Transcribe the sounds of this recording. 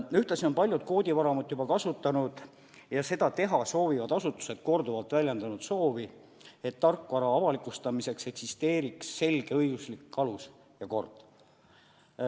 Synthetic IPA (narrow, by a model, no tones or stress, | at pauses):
yht̪ɑsio̞npɑlʲjud̪̥ko̞ːd̪ʲivɑɾɑmut̪ːˑjubɑkɑsut̪ːˑɑnud̪̥ | jɑse̞d̪ɑt̪e̞ɦɑso̞ːvivɑd̪̥ɑsut̪ːˑu̥se̞d̪̥ko̞rd̪uvɑlt̪ˑvælʲjɑnd̪ɑnud̪so̞ːvi | e̞t̪ːɑrkːvɑɾɑɑvɑlikˑust̪ɑmise̞kse̞ksist̪e̞ːɾiksːe̞lɡ̥e̞ɤjɡ̥uslikːɑlus | jɑko̞̰rd̪̥